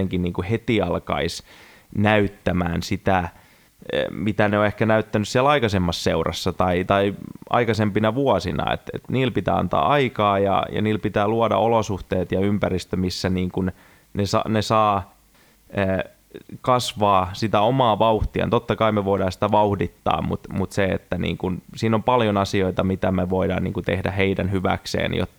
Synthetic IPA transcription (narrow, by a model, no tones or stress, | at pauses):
eŋkinniːŋkuhet̪iɑlkɑ̰is | næyt̪ːæmæːnsit̪æ̰ | mit̪æneoehkænæyt̪ːænyssiɛlɑikɑsemːɑsseurʔɑ̰sːɑt̪ɑit̪ɑiɑ̰ikɑsempinɑʋuɔsinɑ̰ḛt̪ḛt̪niːlpit̪æ̰ːɑ̰nt̪ɑ̰ːɑikɑːjɑ̰jɑ̰niːlpit̪æːluɑdɑ̰olosuht̪eːt̪jɑympærist̪ømisːæniːŋkun | nesɑ̰nesɑː | əː | kɑsʋɑːsit̪æomɑːʋɑuht̪iɑ̰nt̪ot̪ːɑkɑimeʋoidɑːsi̥t̪æʋɑuhdit̪ːɑ̰ːmmṵt̪mut̪seḛt̪ːænḭːŋkunsiːnompɑljonɑsioit̪ɑmit̪æmeʋoidɑ̰ːnḭːŋkut̪ehdæheidænhyʋæ̰ksḛːnjo̰t̪ː